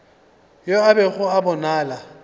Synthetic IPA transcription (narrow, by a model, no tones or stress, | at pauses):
joabɛɣʊabɔnaːla